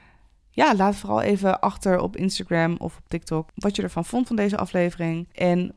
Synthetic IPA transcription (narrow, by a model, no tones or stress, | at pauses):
jaːlaːtfoːrɑ̰lˠʔḛjvəʔɑχtəɹɔ̰pɪ̰nstaɡɹɛmɔ̰fɔp̚tɪk̚tɔkʋɑtjədəɹvɑnv̥ɔntfɑndejzəʔɑ̰flejvərɪŋʔɛn